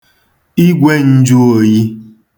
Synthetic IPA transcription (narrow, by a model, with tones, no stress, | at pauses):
i˦ɡʷe˦n̩˦d͡ʒu˦o˨ji˦